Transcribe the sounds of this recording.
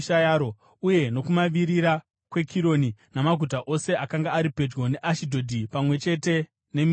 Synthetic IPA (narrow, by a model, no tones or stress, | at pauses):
ʃajaːɾo | uje̞no̞kumaʋiɾiɾa | kwe̞kʰiɾo̞ninamaɡʱut̬aʔo̞se̞akaŋɡaːɾipe̞d͡ʒɡo̞ne̞ʔaʃidʱo̞dʱipamwe̞t͡ʃe̞te̞ | ne̞m